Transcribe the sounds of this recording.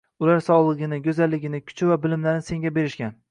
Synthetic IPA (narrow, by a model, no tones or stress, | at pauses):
ʊlaɾsɒʁlˠɨɡʲɪnɪɡʲɵzalːɪɡʲɪnɪkʲʰʊ̥t͡ʃʰɪvabɪlɪmlaɾnɪse̞ŋɡʲabe̞ɾɪʃkʲan